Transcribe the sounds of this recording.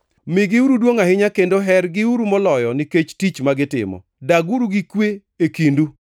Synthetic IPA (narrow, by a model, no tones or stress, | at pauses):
mɪɡɪuɾudwoŋahɪɲakendoɦɛrɡɪuɾumɔlɔjɔnɪket͡ʃtit͡ʃmaɡɪtɪ̰mɔ̰ | daɡuɾuɡikwe | ekindu